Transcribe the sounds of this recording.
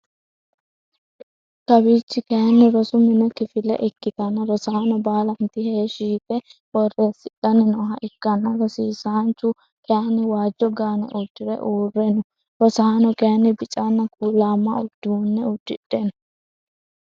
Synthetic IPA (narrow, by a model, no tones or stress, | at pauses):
kɐbiːt͡ʃːɪkɛjɐnːɪɾɔsʊmɪnɛkɪfɪlɛ̰ʔɪkːɪt̪ɐnːɐɾɔsɐhanɔbaːlɐnt̪ɪheːʃiːfɛwɔreːsɪᶑɐnɛnɔɦɐʔɪkːɐnːɐɾɔsiːsaːnt͡ʃːʊ | kɛɐnɪwaːd͡ʒːɔɡaːnɛ̰ʔʊd̪ːɪɾɛ̰ʔuːrːɛnʊ | ɾɔsɐhanɔkɛjɐnːɪbɪt͡ʃʼanːɐkuːlaːmːɐʊd̪ːunːɛʊd̪ːɪᶑːɛnʊ